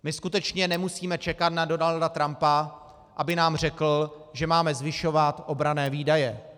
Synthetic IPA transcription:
mɪskut̪ɛt͡ʃɲɛnɛmusiːmɛt͡ʃɛkat̪nado̞naldat̪ɾampa | ʔabɪnaːmr̝ɛkl̩ʒɛmaːmɛzvɪʃo̞vat̪ʔo̞bɾanɛːviːdajɛ

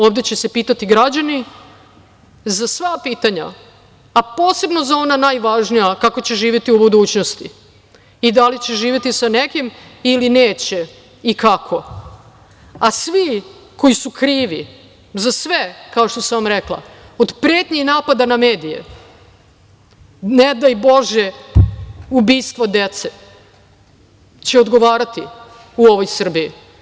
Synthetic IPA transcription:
o̞ʋd̪et͡ɕese̞piːt̪at̪iɡɾad͡ʑani | zasʋapiːt̪aɲa̰ː | po̞ːse̞bno̞zao̞nanaːjʋaʒnijakakot͡ɕe̞ʒiːʋʲjet̪iubud̪uːt͡ɕno̞st̪i | id̪alit͡ɕe̞ʒiːʋʲjet̪isane̞kimilineːt͡ɕe̞ | ikakʰo̞ | asʋi | ko̞jisukɾiːʋi | zasʋekao̞ʃt̪osaʋamɾeklˠa̰ | od̪pɾeːt̪ɲinaːpad̪anameːd̪ijḛ | ned̪ajbo̞ʒe | ubiːst̪ʋod̪et̪se | t͡ɕeod̪ɡo̞ʋaːɾat̪ḭ | uo̞ʋo̞jsr̩biji

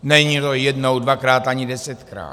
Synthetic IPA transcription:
nɛɲit̪ojɛdno̞wdvakɾaːt̪ʔaɲɪdɛsɛt̪kɾa̰ː

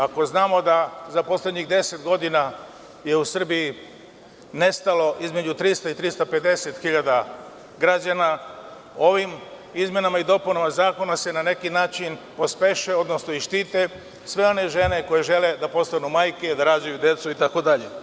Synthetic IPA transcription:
ako̞znaːmo̞d̪azapo̞slʲeɲiɣd̪e̞se̞t̪ɡo̞d̪ina | je̞usr̩biji | ne̞st̪alo̞ʔizme̞d͡ʑut̪ɾist̪oit̪ɾist̪ape̞d̪e̞se̞t̪xiʎad̪a | ɡɾad͡ʑana | o̞ʋim | izmje̞namaid̪o̞punamazaːko̞nase̞nane̞kinaːt͡ʃinpo̞speʃeo̞d̪no̞snoiʃt̪iːt̪e̞ | sʋe̞o̞ne̞ʒe̞ne̞ko̞jeʒe̞le̞d̪apo̞st̪anumaːjke̞id̪aɾaːd͡ʑajud̪je̞t̪suit̪ako̞d̪aʎe̞

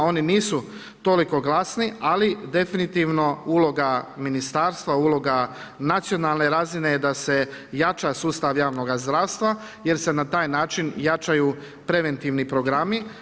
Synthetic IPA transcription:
o̞niniːsu | t̪o̞liko̞ɡlˠasnialid̪e̞finit̪iːʋno̞uːlo̞ɡaminist̪aːɾst̪ʋaulˠo̞ɡa | nat̪sijo̞nalˠne̞ɾaːzine̞d̪ase̞jat͡ʃasuːst̪aʋjaːʋno̞ɡazd̪ɾaːwst̪ʋa | je̞ɾse̞nat̪aːjnaːt͡ʃinjat͡ʃajuː | pɾe̞ʋe̞nt̪iːʋnipɾo̞ɡɾami

